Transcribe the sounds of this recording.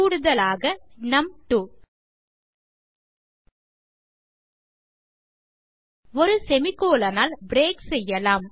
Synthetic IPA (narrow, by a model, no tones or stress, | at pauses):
uːɽɯðɐlaːɣɐnɐmʈuː | ɔɾɯsɛmɪkːoːlɐnaːlbɾeːksɛjːɐlaːm